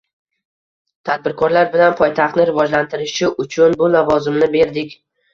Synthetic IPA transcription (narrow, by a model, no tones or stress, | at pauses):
t̪ʰad̪̚bɪɾkʰɒɾlaɾbɪlanpʰɒjt̪ʰaχt̪nɪɾɪvɒd͡ʒlant̪ʰɪɾɪʃɪʔʊt͡ʃʰʊnbʊlavɒzɪmnɪbe̞ɾd̪ɪkʲ